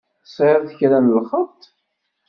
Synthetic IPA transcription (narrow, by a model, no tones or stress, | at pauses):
sˤʕəɾθçɾænlχəmt̪